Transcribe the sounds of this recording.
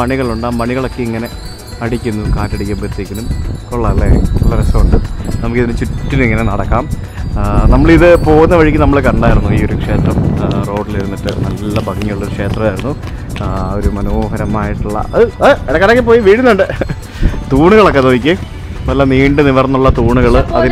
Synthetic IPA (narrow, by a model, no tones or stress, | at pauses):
pɐɳiɣɐɭuɳɖaːmpɐɳiɣɐɭo̞kːe̞iŋːɐne̞ | ɐɽikʲːunːukaːtːɐɽikʲːaːmbet̪ːikʲːunumkoɭːɐɭːeʋɐresːɐuɳɖɨnɐmukːiðinɨt͡ɕutːiniŋːɐnenɐɽɐkːaːm | nɐmːɐɭiðɨpo̞ːɣunːɐʋɐɻikʲːɨnɐmːɐɭkɐɳɖaːjiɾunːuiːo̞ɾukʂe̞ːt̪rɐmro̞ːɖiliɾunːiʈːɨ̰nɐlːɐbʱɐɡiŋːɐɭːoɾukʂe̞ːt̪rɐmaːjiɾunːu | oɾumɐnoːɦɐɾɐmːaːjiʈːuɭːɐ̰ɐðɨɐɾɐkanokːep̬oːjiʋiːɽiunːuɳɖɨ | t̪uːɳuɣɐɭo̞kːet̪oːʋik̬ʲːɨ | mɐlːɐniːɳɖɨniʋɐrɐnːuɭːɐt̪uːɳuɣɐɭɐði